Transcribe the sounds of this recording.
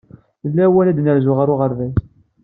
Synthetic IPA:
θəlːæwænæd̪nəɾzʊʁəɾʊʁəɾðæs

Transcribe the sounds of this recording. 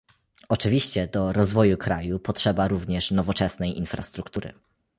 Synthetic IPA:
ɔt͡ʂɘvʲiɕt͡ɕɛd̪ɔɾɔzvɔjukɾajupɔtʂɛbaɾuvɲɛʂnɔvɔt͡ʂɛsnɛjʔinfɾa̰st̪ɾukt̪uɾɘ̰

